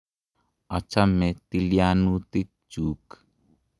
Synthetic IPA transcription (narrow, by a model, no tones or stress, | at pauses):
at͡ʃamet̪ilianut̪i | t͡ʃuːk